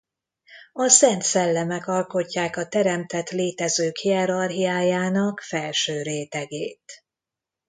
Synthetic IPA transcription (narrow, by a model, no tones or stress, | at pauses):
ɒsɛnt̪sɛlːɛmɛkɒlko̞cːaːkɒt̪ɛɾɛmt̪ɛt̪leːt̪ɛzøːkhiɛɾɒrɦiaːjaːnɒkfɛlʃøːɾeːt̪ɛɡeːt̪